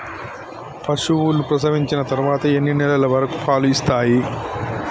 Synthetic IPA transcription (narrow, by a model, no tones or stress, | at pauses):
pʰɐʂuʋulupɾɐsɐʋiɲt͡ʃinɐt̪ɐɾuʋaːt̪ɐe̞nːinɛlɐlɐʋɐɾɐku̥pʰaːluist̪aːji